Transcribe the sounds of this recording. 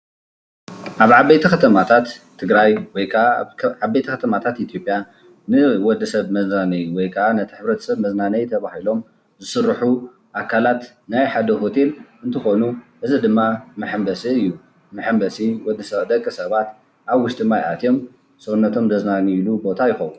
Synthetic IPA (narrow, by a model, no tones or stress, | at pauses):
ʔaβʕabejt̪ʰikʰɐt̪ʰɐmat̪ʰat̪ʰː | ɨɡɾajwɔjkʰɐaabːejt̪ʰikʰɐt̪ʰɐmat̪ʰat̪it̪ʰijo̞pʼja | nɨwɔd̪ɐsɐβmɐznanɐjwɔjkʰɐʔanɐt̪ʰi̥ħɨβɾɐt̪ʰɐ̥sɐβmɐznanɐjt̪ʰɐβahilo̞m | zɨsɨrːħu | ʔakʰalat̪ | najħad̪ɐho̞t̪ʰe̞lɨnt̪ʰɨxo̞nuʔɨzid̪ɨmːamɨħɨmbɐsiɨjːu | mɨħɨmbɐsiwɔd̪ɐsɐβd̪ɐkʼːɨsɐβat̪ | ʔaβwʊʃt̪ʼimajʕat̪ʰjo̞m | sɨwunːɐt̪ʰo̞md̪ɐznaniilubo̞t̪ʰajɪxɐwun